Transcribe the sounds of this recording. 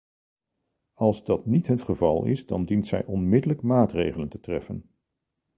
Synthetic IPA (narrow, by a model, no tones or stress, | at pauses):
ɑlˠzdɑtnitɦətχəvɑlˠɪ̰sdɑ̰ndintsɛ̰jʔɔnmɪdələkmaːtrejχələntətrɛfən